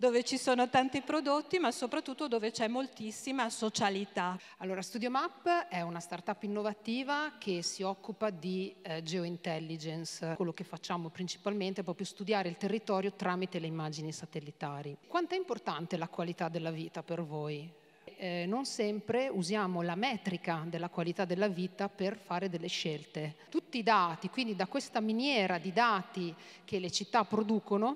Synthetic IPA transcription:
d̪oːvet͡ʃisoːnot̪ant̪ipɾod̪ot̪ːimasopɾat̪ːut̪ːod̪oːvet͡ʃɛmːolt̪isːimasot͡ʃalit̪a | alːoːɾast̪ud̪jomapːɛunast̪art̪apːinːovat̪iːvak̟ʰesiɔkːupad̪id͡ʒeoint̪ɛlːid͡ʒenskwelːokefːat͡ʃːaːmopɾint͡ʃi̥palment̪eɛpɾɔːpɾjost̪ud̪jaːɾeilt̪erːit̪ɔːɾjot̪ɾaːmit̪eleimːad͡ʒinisat̪elːit̪aːɾikwant̪oɛimport̪ant̪elakwalit̪ad̪ːelːaviːt̪apervoj | nonsɛmpɾeuzjaːmolamɛːt̪ɾikad̪elːakwalit̪ad̪ːelːaviːt̪aperfaːɾed̪elːeʃɛlt̪et̪ut̪ːiːd̪aːt̪ikwind̪id̪akwest̪aminjɛːɾad̪id̪aːt̪ik̟elet͡ʃit̪ːapːɾod̪uːkono

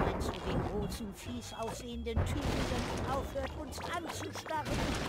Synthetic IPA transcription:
anzoːdeːnɡʁoːsn̩fiːsaʊsz̥eːəndəntʰyːʁɪzənʔaʊfhøːɐtʊnsant͡suʃtaʁən

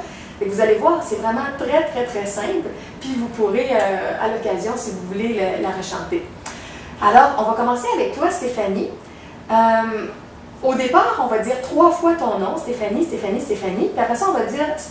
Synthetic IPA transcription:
ɛvuzalevwaːʁsɛvʁɛmɑ̃t̪ʁɛt̪χɛt̪χɛsɛ̃pl | pɥivupuʁeøa̰lɔkʲazjɔ̃sivuvuleləlaʁəʃɑ̰̃t̪e | alɔːʁɔ̃vakɔmɑ̃seavɛk̚t̪wast̪efani | əm | od̪epaːʁɔ̃vad͡ziːʁt̪χwafwat̪ɔ̃nɔ̃st̪efanist̪efanist̪efanipiapʁɛsãɔ̃vad͡z̪iːʁ

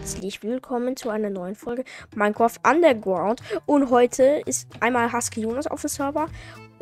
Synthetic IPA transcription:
t͡slɪçv̥ɪlkʰɔmənt͡suʔaɪnɐnɔʏənfɔlɡəmaɪnkʰɔfʔandəɐɡɹãʊntʔʊntɦɔʏtʰəɪstʔaɪnmaːlɦaskəjuːnʊsɔ̰fəsœɐvɐ

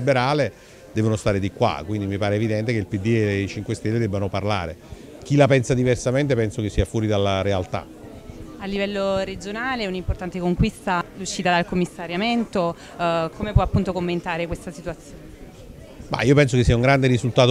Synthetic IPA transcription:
ibeɾaːle | d̪ɛːvonost̪aːɾed̪ikwa̰kwind̪imipaːɾeːvid̪ɛnt̪ekeilpid̪ːielet͡ʃiŋkwest̪elːed̪ɛbːanoparla̰ːɾḛ | k̟ilapɛnsad̪iversament̪epɛnsokesːiːafwɔːɾid̪alːaɾealt̪a̰ | alːivɛlːoɾed͡ʒonaːleunimport̪ant̪ekoŋkwist̪aluʃːiːt̪ad̪alkomːisːaɾjament̪o | komepwɔapːunt̪okomːent̪aːɾekwest̪asit̪uat̪sːjoːne | ma̰iːopɛnsokesːiauŋɡɾand̪eɾizult̪aːt̪

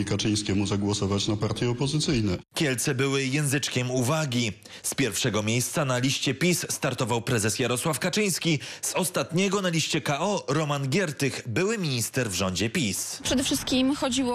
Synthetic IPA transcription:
ikat͡ʂɘj̃skʲɛmuzaɡwɔsɔvat͡ɕnapaɾt̪ʲjɛɔpɔzɘt̪sɘjnɛkʲɛlt̪sɛbɘwɘjɛ̃ñzɘt͡ʂkʲɛmuvaɡʲi | spʲjɛɾfʂɛɡɔmʲjejst̪sanalʲiɕt͡ɕɛpʲisːt̪aɾt̪ɔvawpɾɛzɛsjaɾɔswafkat͡ʂɘj̃skʲiz̥ɔst̪at̪ɲɛɡɔnalʲiɕt͡ɕɛkaɔɾɔmanɡʲjɛɾt̪ɘxbɘwɘmʲiɲist̪ɛɾvʐɔɲd͡ʑɛpʲispʂɛd̪ɛfʂɘst̪̚kʲimxɔd͡ʑiwɔ

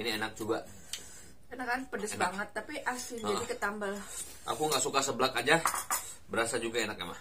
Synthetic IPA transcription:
inienak̚d͡ʒuɡa | kənakanpədəsbaŋət̪ːapiʔasɪnd͡ʒadikət̪ambal | ʔa̰kuŋɡaʔsukasəbəlakad͡ʒa | bəɾasad͡ʒuɡaenak̚ḛma̰h

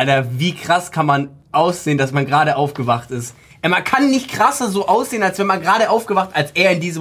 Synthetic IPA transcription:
ʔaltɐviːkʁ̥askʰanman | ʔaʊsz̥eːəndasmanɡʁaːɾəʔaʊfɡ̥əvaχtɪst | ʔɛmankʰanːɪçtkʁ̥asɐzoːʔaʊsz̥eːənalsv̥ɛnmanɡəʁaːɾəʔaʊfɡ̥əvaχtalsʔeːɐɪndiːzə

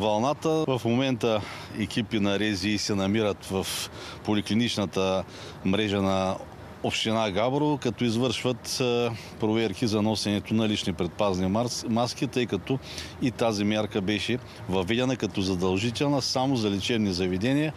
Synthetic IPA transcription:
vɐlˠnat̪əvɐfmomɛnt̪ə | ɛkʲipinɐɾɛziːsɛnɐmiɾət̪vɐf | polʲiklinit͡ʃnɐt̪ə | mɾɛʒənɐ | opʃt̪inaɡabɾovɐkɐt̪ɔizvɤɾʃvət̪ | pɾovɛɾkizɐnɔsɛnɛt̪onɐlit͡ʃnipɾɛt̪̚paznimaskit̪ɤjkɐt̪ɔ | it̪azimʲjaɾkəbɛʃɛ | vɐvɛd̪ɛnɐkɐt̪ɔzɐd̪ɐlˠʒit̪ɛlˠnɐsamozɐlɛt͡ʃɛvnizɐvɛd̪ɛnʲijə

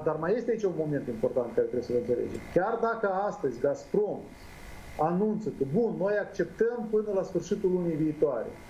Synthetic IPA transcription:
d̪armaje̞st̪eait͡ʃʲunmo̞me̞nt̪impo̞rt̪ant̪kaɾet̪ɾebesəvəɨnt̪se̞lḛd͡ʒḛmkʲard̪akəast̪əzʲɡaspɾo̞m | anunt̪səkəbunːo̞jakt͡ʃe̞p̚t̪əmpɨnəlasfɨrʃit̪ulunijviːt̪oaɾḛ

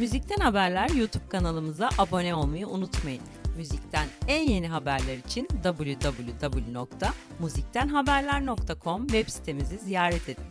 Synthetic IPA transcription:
myzic̚t̪ʰænhabæɾlʲæɾjut̪ʰub̚kʰanalˠɯmɯzaʔabo̞nɛo̞lˠmajɯʔunut̪majɯnmyzict̪ʰænænje̞niɦabæɾlʲæɾit͡ʃʰind̪abɯlˠjud̪abɯlˠjud̪abɯlˠjuno̞k̚t̪ʰa | muzic̚t̪ʰænɦabæɾlʲæɾno̞k̚t̪ʰakʰo̞mvɛpsi̥t̪ʰemizizijaːɾɛt̪ʰedi

